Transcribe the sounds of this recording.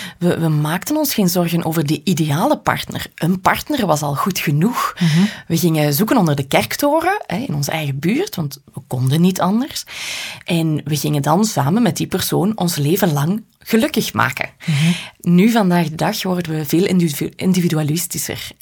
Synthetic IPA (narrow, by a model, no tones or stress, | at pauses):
ʋəʋəmaːktənɔnsxeːnzɔrɣənʔoːvərdəʔideaːləpɑ̰rtnə̰rʔənpɑrtnərʋɑsɑlˠɣutxənuxʋəɣɪŋəzukənɔndərdəkɛrktoːrəɛɪnɔnzə̰ʔɛjɣəbyːrtʋɑntʋəkɔndənːitʰɑndərsʔɛnʋəɣɪŋəndɑnsaːmənmɛt̚dipərsoːnɔnsleːvənlɑŋ | ɣ̥əlɵkəxma̰ːkə̰ | nyvɑndaːɣdədɑxʋɔrdənʋəveːlˠɪɪ̰ndividyalɪstisə̰r